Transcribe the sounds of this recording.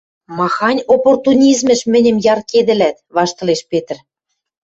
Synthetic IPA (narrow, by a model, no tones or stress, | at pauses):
mɑxɑnʲoport̪unʲizmɘ̆ʃmɘ̆nʲɘ̆mjɑrked̪ɘ̆læt̪βɑʃt̪ɤ̆leʃpet̪ə̆r